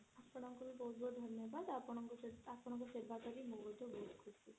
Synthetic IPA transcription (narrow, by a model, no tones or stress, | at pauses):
aspɔɽ̃ɔŋkɔbibɔɦut̪̚bʱɔud̪ʱɔɾnjɔbad̪apɔɽ̃ɔkɔapɔɽ̃ɔ̃ŋkɔseɾbʱakɔɾimobɔd̪obɔɦut̪kʰui